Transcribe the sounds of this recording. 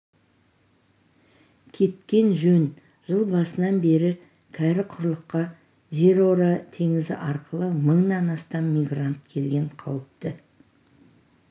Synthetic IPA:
kʲʰe̞t̪̚kʲe̞nʒɵn | ʒ̥əlˠbɑsənɑnbe̞ɾɪ | kʲʰæɾɪqʰʊɾlˠəqːɑ | ʒe̞ɾoɾɑt̪ʰe̞ŋɪzɪ̰ʔɑɾqəlˠəməɴnɑnɑst̪ɑmːijɡrant̪̚kʲʰe̞lɡʲe̞ɴqʰɑwəp̚t̪ə

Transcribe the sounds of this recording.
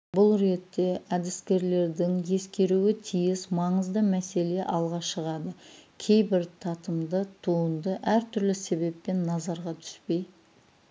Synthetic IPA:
bʊlˠɾe̞t̪ːe̞ʔæd̪ɪskʲe̞ɾle̞ɾd̪ɪŋje̞skʲe̞ɾuwɪt̪ʰijɪzmɑɴəzd̪əmæse̞le̞ʔɑlˠʁɑʃəʁɑd̪əkʲʰe̞jbɪɾt̪ʰɑt̪əmd̪ət̪ʰuənd̪əʔæɾt̪ʰʏɾlɪse̞be̞pːe̞nːɑzɑɾʁɑt̪ʰʏ̥spe̞j

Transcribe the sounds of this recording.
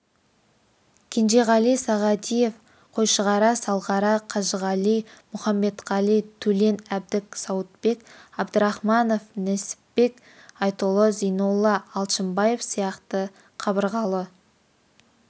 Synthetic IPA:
kʲʰend͡ʒeʁɑlijsɑʁɑt̪ije̞f | qʰo̞jʃəʁɑɾɑsɑlˠʁɑɾɑqʰɑʒəʁɑlijmʊχɑmːe̞t̪ʁɑlijt̪ʰɵle̞næb̚d̪ɪksɑwət̪pe̞kɑbd̪əɾɑχmɑno̞fnɪsɪ̥pbe̞k | ɑjt̪ulˠəzejnolˠːɑːlˠʃəmbɑje̞fsijɑqt̪ə | qʰɑbəɾʁɑlˠə

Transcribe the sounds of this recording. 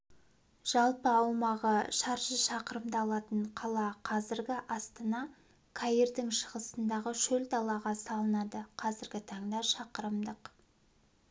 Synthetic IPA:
ʒ̥ɑlˠpəɑwmɑʁəʃɑɾʒəʃɑqəɾəmd̪ɑɑlˠɑt̪əɴqʰɑlˠɑqʰɑzɪɾɡʲɪʔɑst̪ɑnɑ | kʰajird̪ɪŋʃəʁəsənd̪ɑʁəʃɵld̪ɑlˠɑʁɑsɑlˠənɑd̪əqʰɑzɪɾɡʲɪt̪ʰɑɴd̪ɑʃɑqəɾəmd̪əq

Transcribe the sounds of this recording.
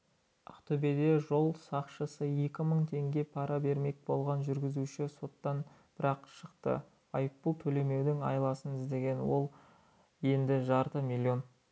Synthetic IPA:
ɑ̰qt̪ɵbed̪e̞ʒo̞lˠsɑqʃəsəje̞kʲɪməɴt̪ʰe̞ŋɡʲe̞pʰɑɾɑbe̞ɾme̞k̚bo̞lˠʁɑnʒʏɾɡʲɪzuʃɪso̞t̪ːɑn | b̥ɪɾɑqʃəqt̪ə̰ | ɑjəpːəlˠt̪ʰɵle̞me̞wd̪ɪŋɑ̰jlˠɑsənɪzd̪e̞ɡʲe̞nwo̞̰lˠ | je̞nd̪ɪʒɑɾt̪əmilʲːio̞n

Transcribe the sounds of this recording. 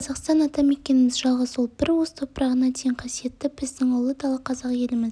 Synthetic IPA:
qʰɑzɑqst̪ɑnɑt̪ɑme̞kʲe̞nɪmɪzʒɑlˠʁɑzwolˠbɪɾwo̞st̪ʰo̞pɾɑʁənɑt̪ʰejɪŋqʰɑsije̞t̪ːɪb̥ɪzd̪ɪŋʊlˠəd̪ɑlˠəqʰɑzɑqje̞lɪmɪz

